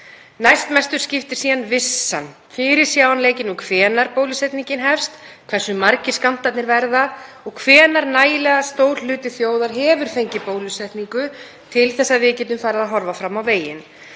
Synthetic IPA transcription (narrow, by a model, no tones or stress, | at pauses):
najst̪mɛst̪ʏɾ̥scɪft̪ɪ̥ɾ̥siːðanvɪsːa̰n | fɪɾɪɾ̥sjaːwanleːjcɪnukʰvɛːnaɾpowlisɛht̪niŋcɪnɦɛfst̪kʰvɛr̥sːʏmaɾcɪ̥skan̥t̪at̪nɪɾvɛɾða | ɔɣkʰvɛːnaɾnaːjɪlɛɣast̪oːwlʏːt̪ɪθjoːwðaɾ̥ɦɛːvʏɾ̥θejɲcɪpoːwlisɛht̪niŋkʏ | t̪ʰɪlθɛsːaðvɪcɛːt̪ʏmfaːɾɪðaðɦɔɾvafɾamawveːjɪn